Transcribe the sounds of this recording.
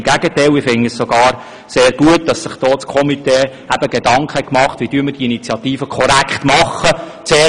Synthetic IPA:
ɡ̥æɡətɛɪlɪfɪŋːəssoɡɑːɾ | seːɾɡ̥uət̚d̥ɑsːɪχd̥ɔːt͡skʰɔmiteː | æb̥əɡedɑŋkχəɛkmɑχtvʋid̥yəɾməɾd̥iinit͡sjɑtiːfəkʰɔɾækχt̪mɑχə | t͡seː

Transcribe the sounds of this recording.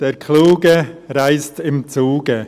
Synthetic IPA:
d̥eːɐkʰluːɡəʁaɪstɪmt͡suːɡə

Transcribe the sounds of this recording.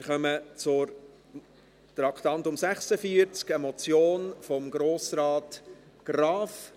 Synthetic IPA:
ɪɾχœmət͡sʊɾ | t̪ɾɑkʰt̪ɑntʊmsæχsəfiəɾt͡skəmɔt͡sjoːnfɔmɡɾoːsɾɑːt | ɡ̥ɾɑːf

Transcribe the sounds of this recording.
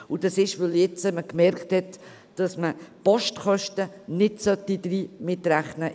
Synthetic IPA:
ʊd̥ɑsɪʃʋɪljɛt͡səməkmɛɾkthɛt | d̥ɑsməpɔʃtχœʃtənɪtsœtid̪ɾiːmɪtɾæχnə

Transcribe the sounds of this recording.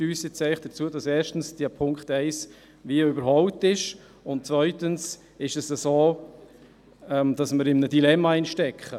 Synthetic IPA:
yːsjɪt͡sɛɪχd̥ət͡suəd̥ɑsɛːʃtn̩sd̥iəpʰʊŋkχtɛɪs | viːəøbəɾhɔwtɪʃ | ʊntt͡svœʏtəns | ɪʃɛsəsoː | ɛmd̥ɑsməɾɪmnəd̥ilɛmːɑinʃtɛkχə

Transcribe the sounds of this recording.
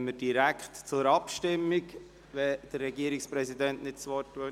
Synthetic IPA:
məd̥iɾækχtt͡sʊɾɑpʃtɪmːik | ʋɛd̥ərːɛɡiəɾikspɾɛsidɛntnɪtt͡sʋɔtːu

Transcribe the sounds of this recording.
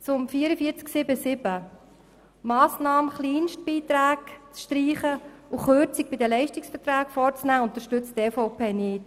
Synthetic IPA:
t͡sʊmfiːəɾəfiət͡sksɪbəsɪbə | mɑːsnɑːməχliːnʃt̚b̥iːt̪ɾæːkt͡sʃtɾiːχəuχøːɾt͡sɪk̚b̥ɪdəlɛɪʃtɪksfəɾtɾaːkfɔɾt͡snæːʊnt̪əɾʃtʏt͡steːfoʊpʰeːnɪːt

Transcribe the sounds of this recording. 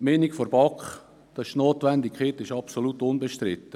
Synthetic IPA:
menikfoɾb̥ɑkχ | d̥ɑɪ̥ʃnoːt̪ʋænd̪ɪkχet̪ɪʃɑpsolut̪ʊnbɛʃtɾɪt̪ːə

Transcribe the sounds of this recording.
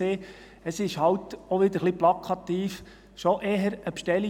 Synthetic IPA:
eː | əsɪʃhɑwtɔʋɪd̥̪əɾχliplɑkʰɑt̪iːf | ʃɔʔeːɦəɾəpʃtɛli

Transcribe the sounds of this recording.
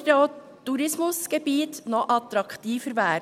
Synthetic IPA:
do | tːuɾɪsmʊsɡ̥ɛbiːt̪nɔʔɑt̪ɾɑkt̪iːfəɾʋæː

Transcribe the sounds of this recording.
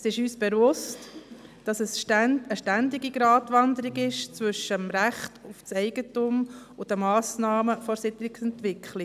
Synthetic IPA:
sɪʃyːsb̥ɛvʊstd̥ɑsɛsʃtænəʃtændiɡiɡɾɑːtʋɑnd̪əɾiɡɪʃt͡svʏʃəmɾæχtʊft͡sɛɪɡətumʊd̥əmɑːsnɑːməfɔɾsɪtlɪksɛnt̪ʋɪkχlɪ

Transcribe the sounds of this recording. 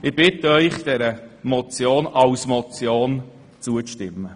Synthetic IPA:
ɪbɪtəœʏχd̥ɛɾəmɔt͡sjoːnɑwsmɔt͡sjoːn | t͡suəʃtɪmːə

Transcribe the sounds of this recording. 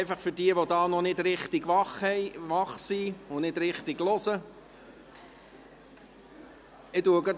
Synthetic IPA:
ɪfɑχfʏɾdiəʋodɑːnɔnɪdɾɪχtɪɡʋɑχhɛɪʋɑχsiʊnɪd̥ɾɪχtɪɡlɔsə | ɪduəɡə

